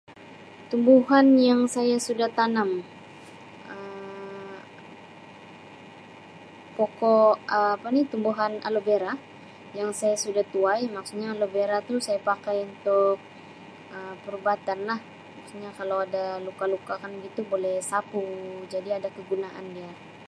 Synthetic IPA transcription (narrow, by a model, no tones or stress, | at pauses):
t̪umbuɦanjaŋsajasudaht̪anam | ə | pokoəːpanit̪umbuɦana̰lobeɾa | jaŋsajasudaht̪uajmaksuɲaːlobeɾat̪usajapakajunt̪ʊk̚ | əmpəɾubat̪anlah | maksuɲakalawadalukalukakanɡit̪ubolɛhsapud͡ʒadiadakəɡunaʔa̰ndia